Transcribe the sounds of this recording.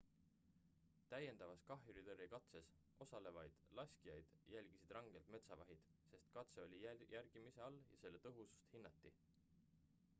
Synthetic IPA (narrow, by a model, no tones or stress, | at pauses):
t̪æje̞nd̪̥ɑvɑskɑɦjuɾid̪ɤrːikɑt̪se̞s | ʔo̞sɑle̞vɑjd̪̥lɑsʲkijɑjd̪̥jælʲɡ̥isid̪̥rɑŋɡ̥e̞lt̪me̞t̪sɑvɑɦid̪̥se̞st̪kɑt̪se̞o̞lʲijærɡ̥imise̞ɑljɑ̰se̞lːe̞t̪ɤɦusu̥st̪hinːɑt̪ːi